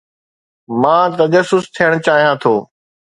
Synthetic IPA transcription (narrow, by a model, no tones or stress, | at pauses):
mãːt̪ɐʄəsːʊst̪ʰijəɽ̃t͡ɕaːɦijãːt̪ʰoː